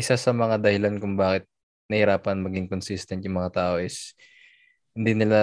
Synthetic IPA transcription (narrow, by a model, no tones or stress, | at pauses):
ʔɪsasɐmɐŋad̪ɐhɪlankʊŋbaːkɪt̪̚ | nɐhɪɾaːpɐnmɐɡɪŋkonsist̪ɐnt̪jʊŋmɐŋat̪aːʔo̞ʔɪs | hɪnd̪inɪla